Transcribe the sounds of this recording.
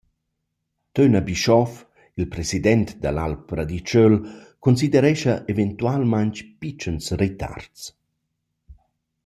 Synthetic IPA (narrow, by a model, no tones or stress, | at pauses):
t̪ønabiʃɔf | ilpɾesid̪ɛnt̪d̪ala̰lpɾad̪it͡ʃølkonsid̪ɛɾɛʃaʔevent̪ualmaɲt͡ʃpit͡ʃənsret̪a̰rts